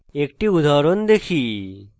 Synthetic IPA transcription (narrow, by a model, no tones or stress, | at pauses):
ekʈiud̪ʱaɾond̪ekʰi